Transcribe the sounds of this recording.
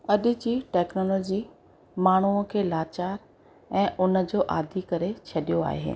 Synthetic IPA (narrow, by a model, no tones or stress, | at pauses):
ɐɗɪ̆d͡ʑiːʈɛːknoːlɔːd͡ʑi | maːɳ̤̃uə̃kʰeːlaːt͡ɕaːɾ | ɛ̃ːʔʊnə̆d͡ʑoːʔa̰ːd̪ʱikɐɾet͡ɕʰɐɗijoa̰ːɦḛː